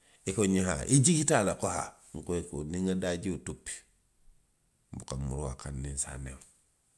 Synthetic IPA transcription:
ikoɲiɦa̰ʔiɟikitalakoha̰ | ŋ̩koekoniŋadaɟiutupːi̥ | bukamṵɾwakanːinsa̰nḛm

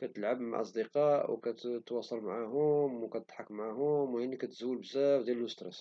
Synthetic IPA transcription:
kæt̪əlʕabma̰ʔɑ̰sˤd̪əqɑʔwkæt̪wɑsˤɑlmaʕaɦʊmwkæt̪ət̪ħakːmaʕaɦʊmwjanːikæt̪zuwːəlbzæfd̪jælləst̪ɾɛs

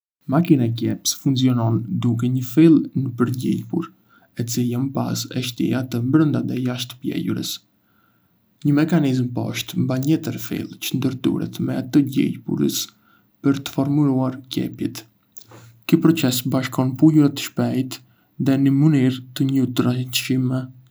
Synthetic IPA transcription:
makinaɛcɛpsfuŋsiɔnɔnd̪uk̬ɛɲəfilˠnəpəɾɟḭjpuɾ | ɛt͡siljampa̰sɛ̰ʃt̪ḭat̪əmbɾənd̪aðɛjaʃt̪ə̥pjɛ̰juɾə̰s | ɲəmɛkanizmpɔʃt̪mbaɲɛt̪əɾfḭlˠt͡ʃənd̪əɾt̪ṵɾɛ̰t̪mɛat̪əɟɛ̰jpṵɾə̰s | pəɾt̪ə̥fɔɾmuɾuaɾcɛ̰pjɛ̰t̪ | kəpɾɔt͡sɛsbaʃkɔnpujuɾat̪ə̥ʃpɛjt̪ | ðɛnəməniɾt̪əɲət̪ɾaʃimɛ

